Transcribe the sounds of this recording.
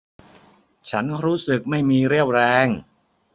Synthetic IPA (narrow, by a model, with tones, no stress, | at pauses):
t͡ɕʰa˦˥nɾuː˦˥sɯ˨˩k̚ma˥˩jmiː˧ɾi˥˩əw̚ɾɛː˧˥ŋ